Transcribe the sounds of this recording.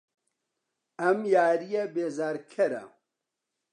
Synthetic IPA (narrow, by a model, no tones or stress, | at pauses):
ɐmjaːɾijɛbeːzaːɾkʰɐɾa̰